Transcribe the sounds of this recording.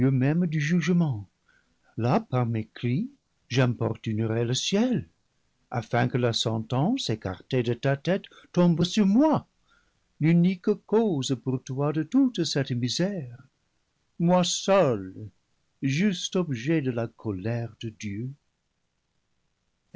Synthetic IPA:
ømɛ̃md̪yʒyʒəmɑ̃ | lapaʁmekli | ʒɛ̃pɔ̰ʁt̪ynəʁeləsjɛl | afɛ̃kəlasɑ̃t̪ɑ̃seka̰ʁt̪edət̪at̪ɛt̪ː | ɔ̃bsyʁmwa | lynikkozpuʁt̪wadət̪ut̪sɛt̪mizɛʁ | mwasœl | ʒyst̪ɔbʒɛd̪əlakʰɔlɛʁd̪əd̪jø

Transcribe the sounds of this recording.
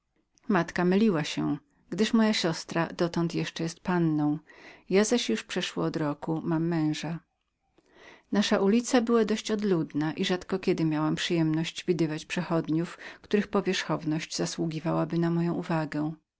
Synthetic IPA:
mat̪kamɘlʲiwaɕɛ̰ | ɡd̪ɘʂmɔjaɕɔst̪ɾad̪̥ɔt̪ɔnt̪jɛʂt͡ʂɛjɛst̪̚panːɔ̃w̃jazaɕjuʂpʂɛʂwɔ̰ːd̪ɾɔkumamːɛ̃w̃ʐa | naʂaʔulʲit̪sabɘwad̪ɔɕt͡ɕɔd̪lud̪naʔiʐat̪kɔkʲɛd̪ɘmʲjawampʂɘjɛmnɔɕd͡ʑvʲid̪ɘvat͡ɕpʂɛxɔd̪ɲufkt̪uɾɘxpɔvʲjɛʂxɔvnɔɕd͡ʑzaswuɡʲivawabɘnamɔjɔ̃w̃ʔuvaɡɛ

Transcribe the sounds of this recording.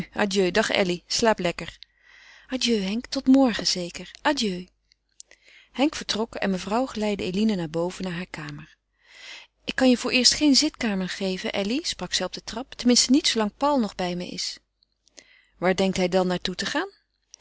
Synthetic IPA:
na̰djøɥdɑχtɛ̰lislaːplɛkəɹ | adjøɥɦɛŋktɔtmɔɹχəz̥ejkəɹʔadjøɥ | hɛŋkfəɹtrɔkɛ̰nməvrɑwχəlɛjdəejlinənaːɹbowvənaːɹɦaːɹkaːməɹ | ɪkːɑnjəvʊːɹʔɪːɹstχejnzɪtkaːməɹχejvənʔɛlisprɑksɛjɔb̚dətrɑptəmɪnstənitsowlɑŋpɑlˠnɔχbɛjmə̰jɪ̰s | ʋaːɹdɛŋk̚tɦɛjdɑnːaːɹtutəχaːn

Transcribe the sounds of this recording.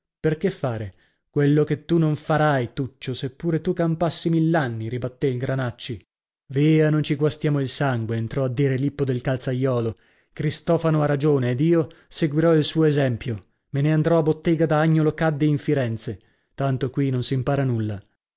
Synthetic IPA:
perkefːaːɾe | kwelːoket̪ːunoɱfaɾajt̪ut͡ʃːosepːuːɾet̪ukampasːimilːanːiɾibat̪ːeilɡɾanat͡ʃːi | viːanont͡ʃiɡwast̪jaːmoilsaŋɡweːnt̪ɾɔad̪ːiːɾelipːod̪elkalt̪sajːɔːlo | kɾist̪ɔːfanoarːad͡ʒoːneːd̪iːo | seɡwiɾɔilsuːoezɛmpjo | meneand̪ɾɔabːot̪ːeːɡad̪aaɲːolokad̪ːiːɱfiɾɛnt̪se | t̪ant̪okwinonsimpaːɾanulːa

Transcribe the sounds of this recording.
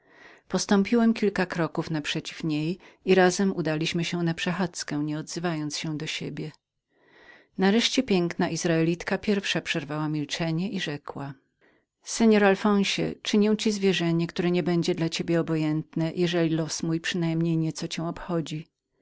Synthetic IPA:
pɔst̪ɔ̃mpʲiwɛmkʲilkakɾɔkufnapʂɛt͡ɕifɲejiɾazɛmud̪alʲiɕmɘɕɛnapʂɛxat̪skɛ̃ɲɛɔd̪zɘvajɔnt̪sɕɛ̃d̪ɔɕebʲjɛ | naɾɛʂt͡ɕɛpʲjɛŋknaʔizɾaɛlʲit̪kapʲjɛɾfʂapʂɛɾvawamʲilt͡ʂɛɲɛʔiʐɛkwa | sɛɲɔɾalfɔ̃w̃ɕɛ̰t͡ʂɘɲɛ̃w̃t͡ɕizvʲjɛʐɛɲɛkt̪uɾɛɲɛbɛɲd͡ʑɛd̪lat͡ɕebʲjɛɔbɔjɛnt̪nɛjʔɛʐɛlʲilɔsmujpʂɘnajmɲejɲɛt̪sɔt͡ɕɛ̃ɔpxɔd͡ʑi

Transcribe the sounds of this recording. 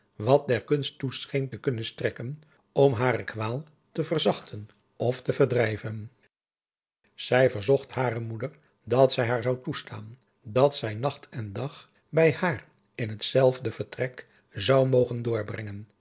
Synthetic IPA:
ʋɑt̚dɛɹkɵnstːusχejntəkɵnənstrɛkən | ɔmɦaːrəkʋaːlˠ | təvərzɑχtʰən | ɔftəvəɹdrɛjvən | z̥ɛjvəɹzɔχthaːrəmudəɹ | dɑtsɛjɦaːɹzɑwtusta̰ːn | dɑtsɛjnɑχtʰɛndɑχ | bɛjaːr | ɪnɦətsɛlˠvdəv̥əɹtrɛk | zɑwmowχəndʊːɹbrɛŋən

